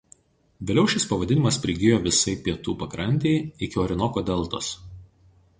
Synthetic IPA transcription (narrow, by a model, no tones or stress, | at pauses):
ʋʲɪːlʲɛʊʃʲɪspɐʋɐd̪ʲɪnʲɪmɐspʲɾʲɪɡʲɪjoːʋʲɪsɐɪpʲiɛt̪uːpɐkɾɐnʲt̪ʲɛɪɪkʲɪɔɾʲɪnɔkoːd̪ʲɛlˠˑt̪o̰ːs